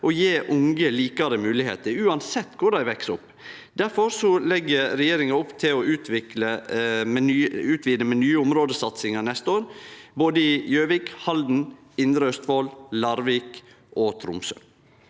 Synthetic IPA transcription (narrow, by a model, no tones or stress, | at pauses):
ɔjeːʔʊŋɡəliːkɑɾəmʉːlɪhḛːt̪əɾʉːɑnsɛt̪ːkʰʊɖæɪʋɛksʊpː | d̪æɾfɔɾsɔlɛɡːəɾɾɛjeːɾɪŋɑʊpːt̪ʰɪlɔʉːt̪ʰʋɪkləmɛnyʉːt̪ʋiːd̪əmɛnyːəʊmɾoːd̪əsɑt̪sɪŋɑnɛst̪əoːɾboːd̪əɪjøːʋɪːkhɑld̪n̩ | ɪnd̪ɾəœst̪ʋoːllɑɾʋiːk | ʔot̪ʰɾʊ̰msœ̰n